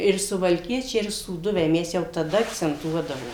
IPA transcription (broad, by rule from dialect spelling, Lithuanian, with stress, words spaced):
ɪr sʊʋɐlʲˈkʲiɛt͡ʃʲɛɪ ɪr suːˈdʊʋʲɛɪ ˈmʲɛs jɛʊ tɐˈdɐ ɐkt͡sʲɛnˈtuɔdɐʋoː